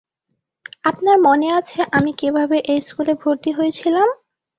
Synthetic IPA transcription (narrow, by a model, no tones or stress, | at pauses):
apnaɾmoneat͡ɕʰeʔamikibʱabeʔejskulebʱoɾt̪iɦojet͡ɕʰilam